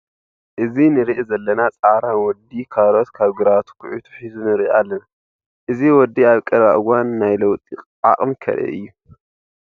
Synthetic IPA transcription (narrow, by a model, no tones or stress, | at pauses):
ʔɨzinɨɾiʔzɐlːɐnat͡sʼaɾawɔd̪ikʰaɾot̪kʰaβɡɨɾat̪ʰu̥kʰuʕut̪ʰu̥ħizunɨɾiʔalːɐna | ʔɨziwɔd̪ːiaβkʼɐɾβaʔɨɡanːajlɐwt̪ʼiχʼʔa̰χʼɨmkʰɐ̰ɾɛ̰ʔɨ̰jːu